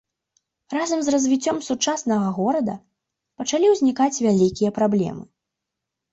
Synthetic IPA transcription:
razɐmzrɐzʲvʲit͡sʲːɔmsut͡ʂasn̪ɐɣɐɣɔɾɐd̪ɐ | pɐt͡ʂalʲiwzʲnʲikat͡sʲvʲalʲikʲijɐpɾablʲɛ̰mɨ

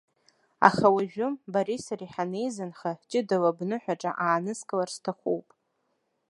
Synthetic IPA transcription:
a̰χawaʒᶣʊmbaɾisaɾiħanejzɨnχaħt͡ʃʼɪdawabnɨħʷᶣaʈ͡ʂʼa̰ʔaːnɨskʼɨlarstʰaχʷuwpʼ

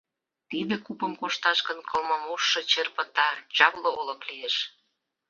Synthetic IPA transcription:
t̪id̪ekupəmkoʃt̪ɑʃkə̆nkʰɤlmɤmuʃːɤ̆t͡ɕerpə̆t̪ɑt͡ɕɑβlŏolɤ̆klijeʃ

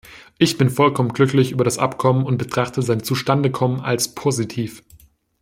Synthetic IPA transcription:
ʔɪçb̥ɪnfɔlkʰɔmənɡlʏklɪçʔyːbɐɾasʔa̰pkʰɔmənʊnt̚b̥ətʁ̥aχtʰəzaɪnt͡suʃtandəkʰɔmənʔa̰lspʰoːzitʰiːf

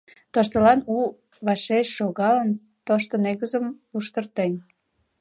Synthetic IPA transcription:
t̪oʃt̪əlɑnu | βɑʃeɕʃoɣɑlən | t̪oʃt̪oneɣəzəmuʃt̪ərt̪en

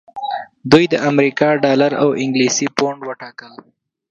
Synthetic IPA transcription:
d̪ujd̪əʔamɾikɑɖɑlaɾa̰wɪŋɡlisipoɳɖwəʈɑkəl

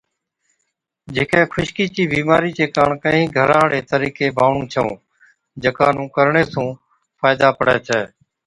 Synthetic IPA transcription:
d͡ʒeːkẽːkʰʊʃkiːt͡ʃiːbiːmaːɾiːt͡ʃeːkaːɳkə̃ɦĩːɡʱəɾãːɽeːt̪əɾiːkeːbʱaːʋɳũːt͡ʃʰəõ̰ː | d͡ʒəkaːnũːkəɾɳeːsũː | faːɪd̪aːpəɽɛːt͡ʃʰɛː

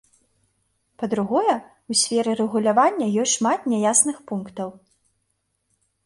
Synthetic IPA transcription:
pɐd̪ɾuɣɔjɛ | usʲfʲɛɾɨɾɛɣulʲavanʲːɐjɔsʲtʲʂmat̪̚nʲɛjasnɨxpunkt̪ɐw

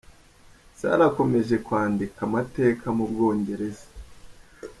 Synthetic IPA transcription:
sa̰ɾako̞me̞ʒe̞kwaːndikamate̞ːkʰamubɡo̞ːɲɟe̞ɾe̞zḁ

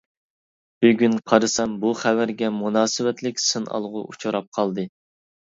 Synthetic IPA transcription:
b̥yɡʲynqʰɑɾɨsɛmbuχæwæɾɡʲɛmunɑːsɨwɛt̪lɪkʲsɨnɑ̰lˠʁʊ̰ʔut͡ʃʰuɾɑp̚qʰɑlˠd̪ɨ

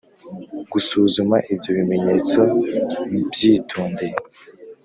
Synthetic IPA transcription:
ɡ̥usuːzumaʔibɟo̞βime̞ɲe̞t͡so̞ | bɟiːtʰuːnde

